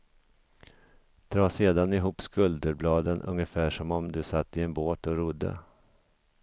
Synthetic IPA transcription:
d̪̥ɾɑːseːd̪anɪɦuːpskɵld̪əɾblɑːd̪ənʔɵ̰ŋjəfæːʂɔmɔmd̪ɵsat̪ːɪɛnboːt̪ɔɾʊd̪ːə̰

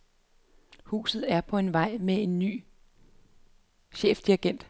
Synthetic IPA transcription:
hṵːsð̩ˠæɐpʰɒ̽e̝nʋɑ̈ɪ̰mee̝nːy̰ː | ɕḛːfd̥iɐɡ̥en̰d̥

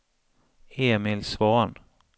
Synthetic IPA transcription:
eːmɪlsvɑːn

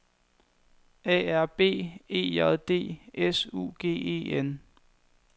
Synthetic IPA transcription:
ɛ̰ːæɐb̥e̝̰ːe̝̰ːɛðˠd̥e̝̰ːesṵːɡ̥e̝̰ːe̝̰ːen

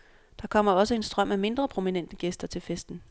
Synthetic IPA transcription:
d̥ɑ̈kʰɒ̽m̰ɐɒ̽səe̝nsd̥ʁɶm̰æme̝nd̥ʁɐpʰʁo̝minen̰d̥əɡ̥esd̥ɐt͡sʰe̝lfesd̥n̩

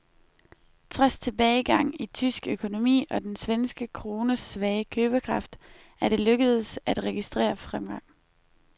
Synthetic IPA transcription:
t͡sʰʁɑst͡sʰe̝b̥ɛːɪɡ̥ɑ̈ŋ̰it͡sʰysɡ̥økʰo̝no̝mḭːɒ̽d̥ensʋensɡ̥əkʰʁoːnəsʋɛɪəkʰøːb̥əkʰʁɑ̈fd̥ | æɐɾ̥e̝løɡ̥əð̞ˠsæd̥ʁɛɡ̥isd̥ʁḛːɐfʁamɡ̥ɑ̈ŋ̰

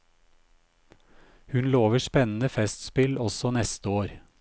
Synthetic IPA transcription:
hʉnloːʋəʃpɛnn̩əfɛst̪spɪlɔsɔnɛst̪əoːɾ

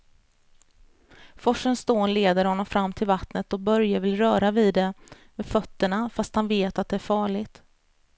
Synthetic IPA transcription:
fɔʂːənst̪oːnleːd̪əɾhɔnːɔmfɾamːt̪ʰɪlvat̪nət̪ɔk̚bœɾjavɪlɾœːɾaviːd̪ɛ | mefœt̪ːəɳafast̪hanveːt̪at̪̚d̪ɛæɾfɑːɭɪɡt̪

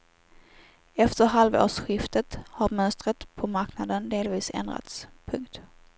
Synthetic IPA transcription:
ɛft̪əɾɦalvo̰ːʂɧɪft̪ət̪haɾmœnst̪ɾət̪pʰɔmaɾknad̪ənd̪eːlviːsɛ̰nd̪ɾa̰t̪spʰɵŋkt̪

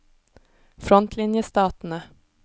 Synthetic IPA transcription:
fɾɔnt̪ʰlɪnjəst̪ɑːt̪n̩ə

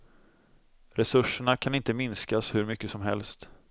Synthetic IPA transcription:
ɾɛsɵʂːəɳakʰanɪnt̪əmɪnskashɵɾmʏkːəsɔmɦɛ̰lst̪

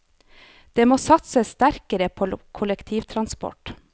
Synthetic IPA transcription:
d̪̥eːmoːsɑt̪səst̪æɾkəɾəpʰokʰʊləkt̪ʰiːʋt̪ʰɾɑnspɔ̰ʈ

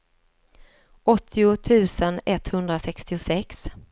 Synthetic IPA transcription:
ʔɔt̪ʰːɪʊt̪ʰʉ̟ːsənɛt̪hɵnd̪ɾasɛkst̪ɪʊsɛks

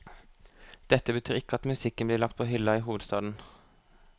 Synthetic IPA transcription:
d̪̥ɛt̪ːəbət̪ʰyːɾɪkːəɑt̪mʉsɪkːənbliːlɑkt̪pʰoːɦʏlɑiːɦuːʋəd̪st̪ɑːd̪n̩

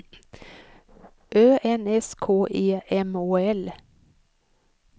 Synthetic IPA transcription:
ʔøːʔɛnɛskʰoːʔeːɛmoːɛl

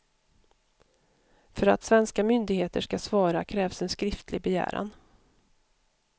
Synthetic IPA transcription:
fœɾa̰t̪svɛnskamʏnd̪ɪɡheːt̪əʂkasvɑːɾakʰɾɛːvsɛnskɾɪft̪ʰlɪɡ̚bɛjæ̰ːɾa̰n

